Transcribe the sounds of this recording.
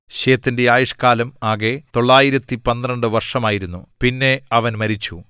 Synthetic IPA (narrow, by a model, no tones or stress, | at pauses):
ɕeːɐt̪ːinde̞aːjuʂkaːlɐmaːɣe̞t̪o̞ɭːaːjiɾɐt̪ːipɐnːrɐɳɖɨʋɐrʂɐmaːjiɾunːṵpinːe̞ɐʋɐnmɐɾit͡ɕːu